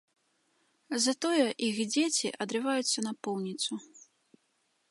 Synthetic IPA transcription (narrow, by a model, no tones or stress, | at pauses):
zɐt̪ɔjɛʔixd͡zʲet͡sʲiʔɐd̪ɾɨvajut̪sːɐnɐpɔwnʲit̪su